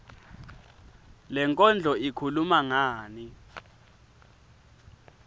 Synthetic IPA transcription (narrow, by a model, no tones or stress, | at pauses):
lɛŋkʼɔnd͡ɮʱɔikʰulumaŋaːni